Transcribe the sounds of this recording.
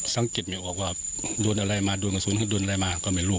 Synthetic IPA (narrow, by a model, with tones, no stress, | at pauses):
sa˨˧˦ŋke˨t̪̚mi˧˨bɔː˨˩k̚waː˧˩doː˧˨nʔa˧ɾa˧jmaː˧do˧˨jŋkɔ˧suː˨˦nhɔ˧˦doː˧nʔa˧a˧˨jmaː˧kɔ˧˩˨mɛ˧˩nlu˧˩˨